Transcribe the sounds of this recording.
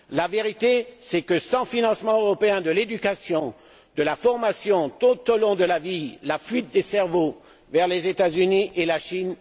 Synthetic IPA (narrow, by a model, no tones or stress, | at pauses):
laveʁit̪esɛkəsɑ̃finɑ̃smɑ̃øʁɔpeɛ̃d̪əled̪ykasjɔ̃ | d̪əlafɔʁmasjɔ̃t̪ut̪olɔ̃d̪əlavilafɥit̪̚d̪esɛʁvo | vɛʁlezet̪azyniʔelaʃin